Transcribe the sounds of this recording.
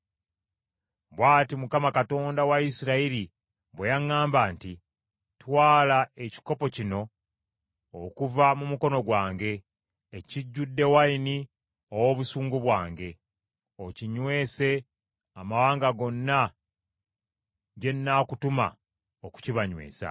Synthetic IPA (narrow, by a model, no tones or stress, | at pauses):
βwaːtimukamakato̞ːndawaisiɾaiɾi | βwejaŋːaːmbaːnti | twaːlae̞ci̥ko̞po̞cino̞ | kuvamumuko̞no̞ɡwaːŋɡe̞ː | ciɟːudːe̞wajini | owo̞βusuːŋɡuβwaːŋɡe̞ | o̞ciɲwe̞ːse̞ | amawaːŋɡaɡo̞nːa | ɟe̞nːaːkutuma̰ | oku̥ciβaɲwe̞̰ːsa̰